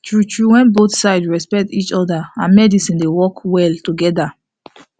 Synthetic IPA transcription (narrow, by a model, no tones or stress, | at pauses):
tɹutɹuwɛ̃nboθsaɪdɹɛspɛk̚tit͡ʃɔdaãnmɛdisĩndewɔkwɛltuɡɛda